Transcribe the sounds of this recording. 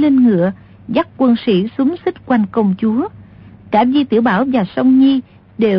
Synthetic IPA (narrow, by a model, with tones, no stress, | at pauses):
le˧nŋɨ̰˧˨ə | za˦˥k̚kwə˧nsḭ˧˩su˨˦ŋ͡msi˦˥t̚kwa˨˩jŋ̟kə˨˩wŋ͡mt͡ɕu˨˦əkaː˧˩vi˧t̪ḭ˧˩əwɓaː˧˩wvaː˨˩sə˧wŋ͡mɲi˧ | ɗe˨˩